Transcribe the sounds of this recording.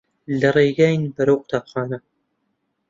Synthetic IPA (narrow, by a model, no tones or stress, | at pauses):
lɐrejɡaːjnbɐɾɐwqʊ̥t̪ʰaːpχɑːnɐ